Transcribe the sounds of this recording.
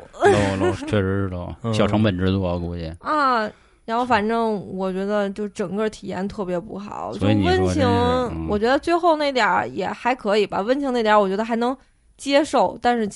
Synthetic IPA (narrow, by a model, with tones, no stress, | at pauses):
o˥˧˩lt͡ɕʰɥɛ˥˧ʂɻ̩˧˥ʂɻ̩˥˩lə̰˧˩ɕjɑ˨˩ʊʈ͡ʂʰɑ˧˥ŋpə˨˩nʈ͡ʂɻ̩˧˥t͡sɔ˥˩˧ku˧˥ɛ̰˧˩ɐ˥˧ | ɻa˧˥nxo˥˩ʊfa˨˩nʈ͡ʂɤ˥˩ŋwɔ˨˩t͡ɕɥɛ˧˥d̪ə˧t͡ɕjo˥˧ʊʂ̩˥˩ʈ͡ʂɤ˨˩ŋkə˥˩t̪ʰi˨˩jɛ̰˥˩nt̪ʰɤ˥˩pjɛ˧˥pṵ˥˧xɑ̰˨˩˦ʊt͡ɕo˥˧wə˥nt͡ɕʰi˧˥ŋwɔ˨˩t͡ɕɥɛ˧˥d̪ə˧t͡swe˥˧ɪxo˥˧ʊna˥˩ɪt̪jɑ˨˩˥jɛ˨˩xa˧˥ɪkʰɤ˧˥i˨˩ba̰˧wə˥nt͡ɕʰi˧˥ne˥˩t̪ja˧˥wt͡ɕɥɛ˧˥ə˧xa˧˥ɪnɤ˧˥ŋ | t͡ɕjɛ˥ʂo˥˩ʊt̪a˥˧nʂɻ̩˥˩